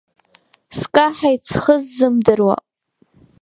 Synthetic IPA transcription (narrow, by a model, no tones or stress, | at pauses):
skʼaħajt͡sʰχəzːɨmdɨrwa̰